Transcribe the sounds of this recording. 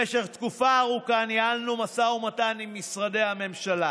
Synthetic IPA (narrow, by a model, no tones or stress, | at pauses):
eʃeʁt̪kufaːʁukanjaalnumasaumat̪animːisʁad̪e̞jhame̞mʃala